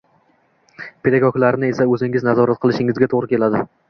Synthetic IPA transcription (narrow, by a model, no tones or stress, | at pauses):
pʰe̞d̪aɡɒkʲlaɾɪnɪe̞saɵzɪŋɪznazɒɾat̪̚qʰɨlˠɪʃɪŋɪzɡʲat̪ʰoʁɾɪkʲʰe̞lad̪ɪ